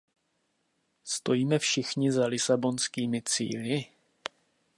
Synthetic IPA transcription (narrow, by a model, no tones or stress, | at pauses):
st̪o̞jiːmɛfʃɪxɲɪzalɪsabo̞nskiːmɪt͡sḭːlɪ